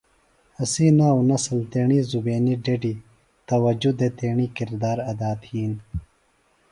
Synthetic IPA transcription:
ɐsiːnaunɐsɐlt̪eːɳiːzubeːniɖeɖi | t̪ɐwɐd͡ʑud̪et̪eːɳiːkiɾd̪aːɾɐd̪aːt̪hiːn

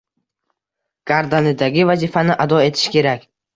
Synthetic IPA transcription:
ɡ̥aɾd̪anɪd̪aɡʲɪvazifanɪʔad̪ɒe̞t̪ʰɪ̥ʃkʲʰe̞ɾakʲ

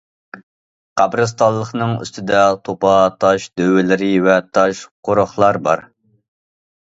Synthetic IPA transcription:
qɑbɾɨst̪ɑlˠːəχnɨŋy̰st̪ʰɪd̪ɛt̪ʰopɑt̪ʰɑʃd̪øwɪlɪɾɪvɛt̪ʰɑʃqoɾʊχlˠɑɾbɑ̰ɾ

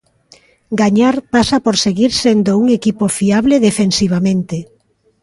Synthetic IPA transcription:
ɡaɲaɾpasapoɾseɣiɾsend̪ouŋekipofiaβleðefensiβ̞amẽnt̪e

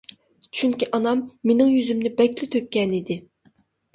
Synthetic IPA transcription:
t͡ʃʰyŋkʲiʔɑnɑmːenɪŋjyzymnɪbɛkʲlɪt̪ʰøkʲːɛnid̪ɪ

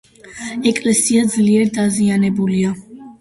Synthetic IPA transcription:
ɛkʼlɛsiad̪zliɛɾd̪azianɛbulia

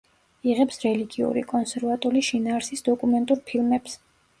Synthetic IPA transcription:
iʁɛpsɾɛliɡiṵɾḭkʼɔnsɛɾvat̪ʼuliʃinaːɾsisd̪ɔkʼumɛnt̪ʼuɾpʰilˠmɛps

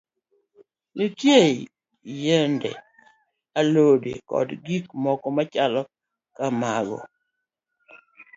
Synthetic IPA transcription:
nitje | jendɛ̰ | alodḛkɔ̰dɡik̚mɔkɔmat͡ʃalɔ | kamaɡɔ̰

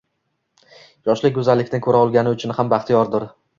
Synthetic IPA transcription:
jɒʃlɪɡɵzalːɪkʲt̪ɪnkʰɵɾaɒlˠɡʲanɪʊt͡ʃʰʊnhambaχt̪ʰijɒɾd̪ʊɾ

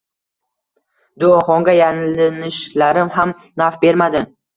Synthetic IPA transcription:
d̪oɒχɒŋɡʲajanlɪnɪʃlaɾɪmham | nafbe̞ɾmad̪ɪ

